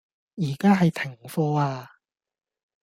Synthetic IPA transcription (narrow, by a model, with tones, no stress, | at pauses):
jiː˨˩kaː˥ɦɐ˨jt̪ʰɪ˨˩ŋfɔː˧aː˧